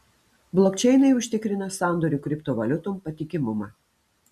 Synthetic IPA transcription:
blˠɔkʲt͡ʃʲɛɪnɐɪʊʃʲt̪ʲɪkɾʲɪnɐsɑˑnd̪ɔɾʲuːkɾʲɪpt̪oːʋɐlʲʊt̪ompɐt̪ʲɪkʲɪmʊmɑː

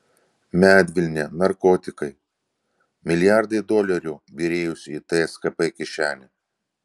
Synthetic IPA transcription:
mʲæːd̪ʲʋʲɪlʲnʲeːnɐɾkɔːt̪ʲɪkɐɪ | mʲɪlʲɪjɑˑɾd̪ɐɪd̪ɔlʲɛɾʲʊːbʲiːɾʲeːjʊsʲiːt̪ɐɛskɐpɛkʲɪʃʲæːlʲɛ

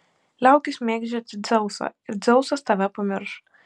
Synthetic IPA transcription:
lʲæˑʊkʲɪsmʲeːɡd͡ʒʲɛɐt̪sʲɪd̪zʲɛʊsɐ̰ɪɾd̪zʲɛʊsɐst̪ɐʋʲɛpɐmʲɪɾʃ

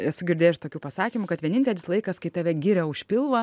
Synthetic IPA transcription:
ɛsʊɡʲɪɾʲd̪ʲeːjʃt̪oːkʲuːpɐsɑːkʲiːmʊkɐt̪ʋʲiɛnʲɪnʲt̪ʲɛlʲɪslˠɐɪkɐskɐɪt̪ɑːʋʲɛɡʲiɾʲɛʊʃʲpʲɪlˠʋɐ

